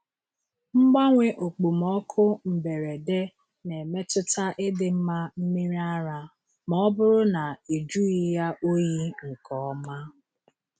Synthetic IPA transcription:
ŋ͡m̩˦ɡ͡ba˦ŋʷe˦ʔo˨k͡pu˨m̩˨ɔ˦kʰʊ˦m̩˨be˨ɾe˨de˦ | ne˨me˦tʊ˦ta˦ʔɪ˦dɪ˨m̩˦ma˦m̩˦mi˦ɾi˦a˦ɾa˨ | mɔ˦bʊ˦ɾʊ˦na˨i˨d͡ʒu˦i˦ja˦ʔo˦ji˦ŋ̩˨kɔ˨˦ma˦

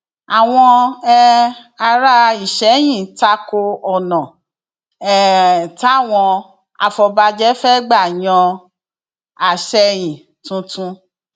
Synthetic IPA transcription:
a˨w̃ɔ̃˧ɛ˧a˧ɾa˦i˦˨ʃɛ˨˦j̃ĩ˦˨ta˧ko˧ɔ˨nɔ̃˨ | ɛ˦˨ta˦˨w̃ɔ̃˧ | a̰˧fɔ˧ba˧d͡ʒɛ˦fɛ˦ɡ͡ba˦˨jɔ̃˧ | a˨ʃɛ˧j̃ĩ˨ | tũ˧˦tũ˧

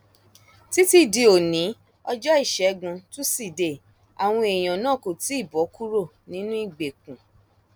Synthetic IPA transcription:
ti˦ti˦˨di˧o˨nĩ˨˦ | ɔ˧d͡ʒɔ˦i˦˨ʃɛ˨˦ɡũ˧tũ˦si˦˨de˨ | a̰˨w̃ɔ̃˧e˨j̃ã˨nãː˦˨ko˨ti˨˦i˦˨bɔ˨˦ku˦ɾo˦˨ | nĩ˨˦nũ˦i˦˨ɡ͡be˨kũ˨

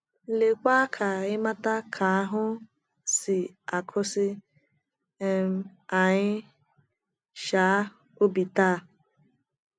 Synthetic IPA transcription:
le˨kʷa˦kʰa˨ɪ˦ma˦ta˦kʰa˨a˦ɦʊ˦ | sɪ˨ | a˨kʰʊ˦sɪ˦ | m˦a˨ɲɪ˦ | ʃa˨˦ | o˦bi˨taː˦˨

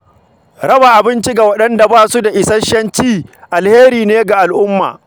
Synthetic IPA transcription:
ɽɐ˦ba˨ʔa˨bɪ˦nt͡ʃi˦ɡa˨wɐ˦ɗɐ˦nda˨baː˦su˦da˨ʔɪ˨sɐ˦ʃɐ˦nt͡ʃiː˦ʔa˨lheː˦ɾiː˨neː˦ɡa˨ʔa˨lʔʊ˦mːa̰ː˨

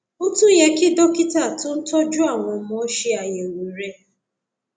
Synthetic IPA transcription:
o˦tu˦ɲe˦kɪ˦do˦kɪ˦ta˨tʊ˦n̩˦tɔ˦d͡ʒʊ˦a˦˨ŋʷɔ˨˦m˦ɔ˦ʃi˦a˨je˨wu˨ɾe˦

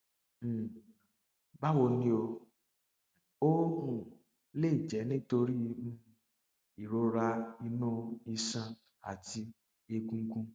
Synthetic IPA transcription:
ba˦wo˧nĩ˧˦o˧ | o˦ũ˨ | le˦i˨d͡ʒɛ˨˦nĩ˦to˧ɾi˦˧nũ˦ | i˨ɾo˧˦ɾa˧i˧nũ˦i˧sã˧ | a̰˨ti˧ | e˧ɡũ˧˦ɡũ˧˦

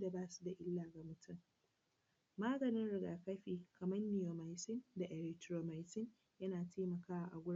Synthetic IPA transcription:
da˨baː˦su˦da˨ʔɪ˦lːaː˨ɡa˨mʊ˦tʰʊ˦m | maː˦ɡɐ˨nɪ˦nɽɪ˨ɡaː˨kɐ˦ɸiː˨kɐ˨mɐ˦nːi˨joː˨ma˨jsɪ˦nda˨ʔɛ˨ɾɛ˨k̚tɾoː˨ma˨jtɪ˦n | jɐ˦naː˨teː˦mɐ˨kaː˦wa˨ʔa˨ɡʷʊ˦ɽ

